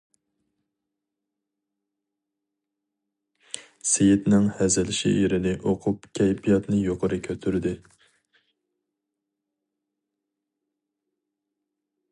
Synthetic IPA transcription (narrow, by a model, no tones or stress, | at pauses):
sejɪt̪nɪŋhæzɪlɪʃḭeɾɪnɪʔoqʰʊpkʲʰɛjpijɑt̪nɨjoqʰəɾɨkʲʰøt̪ʰyɾɪd̪ɪ